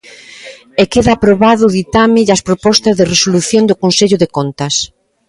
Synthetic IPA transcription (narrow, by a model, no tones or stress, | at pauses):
ekeðaːpɾoβaðʊðit̪amɪɐspɾopɔst̪ɐzðeresoluθjond̪okonseʎʊðekont̪ɐs